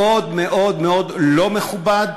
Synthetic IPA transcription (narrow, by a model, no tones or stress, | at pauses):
odmeʔo̞dmeo̞d̪lo̞meχubad̪